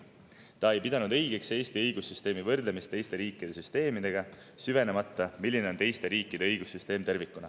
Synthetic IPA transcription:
t̪ɑe̞jpid̪ɑnud̪ɤ̞jɡ̥e̞kse̞ːst̪iɤjɡ̥usːyst̪e̞ːmivɤrd̪lemist̪ːe̞jst̪e̞ɾiːkːˑid̪̥e̞syst̪e̞ːmid̪̥e̞ɡ̥ɑ | syve̞ne̞mɑt̪ːˑɑmilːine̞ont̪e̞jst̪e̞ɾiːkːˑid̪̥e̞ɤjɡ̥usːyst̪e̞ːmt̪e̞rvikːunɑ̰

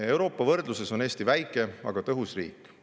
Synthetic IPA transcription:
e̞wɾo̞ːpːˑɑvɤrd̪luse̞so̞neːst̪ivæjkːˑe̞ɑ̰ɡ̥ɑt̪ɤɦusrḭːkˑː

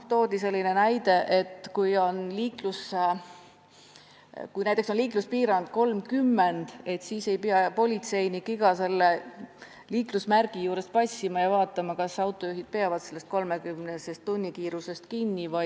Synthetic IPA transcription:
t̪o̞ːd̪ise̞lʲːinenæjd̪̥e̞ʔet̪ːkujo̞nliːklus | kujnæjt̪ːˑeksonliːkluspiːɾɑnd̪̥̚ko̞lmkymːend̪̥e̞t̪siːse̞jpiɑpo̞lʲit̪se̞jnikiɡ̥ɑse̞lːe | liːklusmærɡ̥ijuːɾe̞spɑsimɑjɑvɑːt̪ːˑɑmɑkɑsɑwt̪ˑːo̞juɦid̪̥̚peɑvɑd̪̥se̞lːest̪̚ko̞lme̞kymnese̞st̪ːunʲːikiːɾuse̞st̪kinʲːivɑj

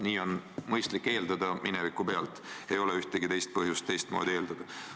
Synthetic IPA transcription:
niːo̞nmɤjst̪likːe̞ːld̪ɑd̪ɑminɛvikˑupe̞ɑlt̪ˑe̞jo̞lɛyht̪eɡ̥it̪e̞jst̪̚pɤɦjust̪ːe̞jst̪̚moːd̪ie̞ːld̪̥ɑd̪̥ɑ

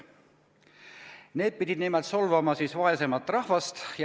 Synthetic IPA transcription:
ne̞ːd̪̥̚pid̪ʲid̪nimɛlt̪solvɑmɑsiːsvɑe̞se̞mɑt̪ːˑrɑhvɑst̪j

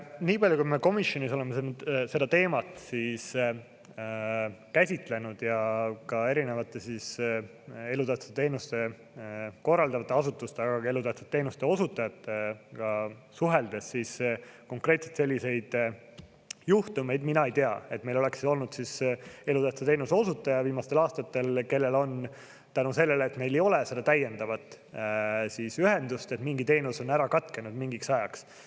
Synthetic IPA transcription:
niːpɑlʲjukume̞ko̞misjo̞niso̞lemːesese̞d̪̥ɑt̪e̞ːmɑt̪ˑsiːs | kæsʲit̪ˑle̞nud̪̥jɑkɑe̞ɾine̞vɑt̪ːˑe̞sis | e̞lut̪æht̪set̪e̞ːnust̪e̞ | ko̞rːɑld̪ɑvɑt̪ˑːeɑsut̪ːˑust̪eɑɡ̥ɑe̞lut̪æht̪se̥t̪ːe̞ːnust̪e̞o̞sut̪ːˑɑjɑt̪ːˑekɑsuɦe̞ld̪̥e̞sːisko̞ŋkɾe̞ːt̪set̪se̞lʲːise̞jd̪̥ | juht̪ume̞jd̪minɑejt̪e̞ɑe̞t̪me̞jlo̞le̞ksio̞lnud̪sise̞lut̪æht̪set̪e̞jnuso̞sut̪ːˑɑjɑviːmɑst̪e̞lɑːst̪ɑt̪ːe̞lke̞lːe̞lo̞n | t̪ænuse̞lːe̞lːt̪me̞jle̞jo̞le̞se̞d̪̥ɑt̪æjːe̞nd̪̥ɑvɑt̪ːˑ | sisyɦe̞nd̪ust̪e̞t̪miŋɡit̪e̞ːnuso̞næɾɑkɑt̪ke̞nud̪miŋɡiksɑjɑks

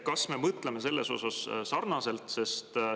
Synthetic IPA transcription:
kɑsme̞mɤt̪leme̞se̞lːeso̞̰sɑssɑrnɑse̞lt̪se̞st̪

